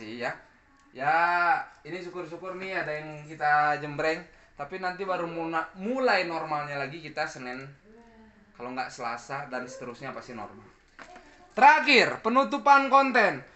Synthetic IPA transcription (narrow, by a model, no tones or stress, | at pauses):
ija | ja | inisukʊrs̬ukʊrniadaiŋkit̪ad͡ʒəmbɾɛŋ | t̪apinant̪ibaɾumuamulajnɔrmalɲalaɡikit̪asənɛn | kaloŋɡaʔsəlasadansə̥t̪əɾusɲapast̪inɔ̰rma̰l | t̪əɾakirpənut̪upankɔnt̪ɛn